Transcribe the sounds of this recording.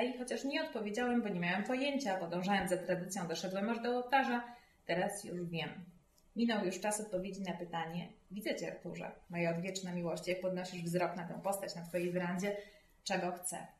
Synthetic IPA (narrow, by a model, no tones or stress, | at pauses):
aixɔt͡ɕaʂɲɛɔt̪̚pɔvʲjed͡ʑawɛmbɔɲemʲjawɛmpɔjeɲt͡ɕapɔd̪ɔ̃w̃ʐawɛmzat̪ɾad̪ɘt̪sʲjɔ̃w̃d̪ɔʂɛd̪wɛmaʐd̪ɔːwt̪aʐa | t̪ɛɾasjṵʐvʲjɛmːʲ | inɔwjuʂt͡ʂasɔt̪̚pɔvʲjed͡ʑinapɘt̪aɲɛvʲid̪zɛt͡ɕɛɛ̰ɾt̪uʐɛ̰mɔjɛɔd̪vʲjɛt͡ʂnamʲiwɔɕt͡ɕijak̚pɔd̪nɔɕiʐvzɾɔknat̪ɛ̰̃w̃pɔst̪at͡ɕnat̪fɔjejvɘɾand͡ʑɛ | t͡ʂɛɡɔxt̪sɛ̰